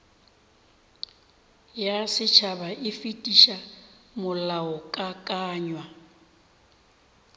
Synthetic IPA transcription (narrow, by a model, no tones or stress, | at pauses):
jasɪt͡ʃʰabaɪfitʼiʃamʊlaɔkʼakʼaːɲwa